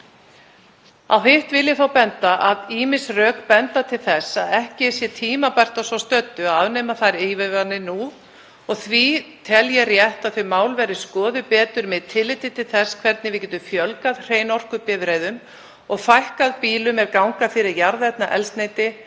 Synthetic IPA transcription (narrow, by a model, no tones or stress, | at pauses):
a̰wɦɪht̪vɪljɪθawpɛnt̪aʔaðiːmɪsrœːkpɛnt̪at̪ʰɪlθɛsːaðɛhcɪ̥sjɛt̪ʰiːmapajr̥t̪asvɔst̪œt̪ːʏaaːvnɛːmaθajɾejvɪvanːɪnu | ɔɣθvit̪ʰɛljɛrjɛht̪aðθʏmaːwlvɛɾɪskɔːðʏpɛːt̪ʏɾmɪðt̪ʰːɪlːɪːt̪ɪt̪ʰɪlθɛsːkʰvɛɾt̪nɪvɪcɛːt̪ʏmfjœlkaðr̥eːjnɔr̥kʏpɪːðɾejðʏm | ɔɣfajhkaðpiːlʏmɛɾkawŋkafɪːɾɪɾjaɾðɛt̪naʔɛlst̪nejt̪ɪ